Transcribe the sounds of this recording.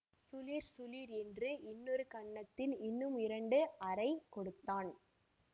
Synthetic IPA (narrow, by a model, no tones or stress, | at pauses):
sʊliːɾsʊliːɾɛndrɯʔɪnːɔɾɯkɐɳːɐt̪ːɪlɪnːɯmɪɾɐɳɖɯɐɾɐɪkɔɽɯt̪ːaːn